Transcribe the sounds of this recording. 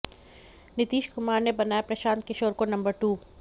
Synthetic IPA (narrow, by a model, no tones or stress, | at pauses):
nɪt̪iːʃkʊmaːɾnebɐnaːjapɾɐʃaːnkɪʃoːɾkonɐ̃mbəɾʈuː